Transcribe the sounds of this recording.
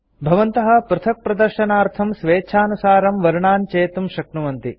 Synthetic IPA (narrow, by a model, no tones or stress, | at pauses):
bʱɐʋɐnt̪ɐɦɐ̆pɾut̪ʰɐk̚pɾɐd̪ɐɾʃɐnaːɾt̪ʰɐmsʋeːt͡ʃʰaːnusaːɾɐmʋɐɾuɳaːnt͡ʃeːt̪umʃɐknuʋɐnt̪i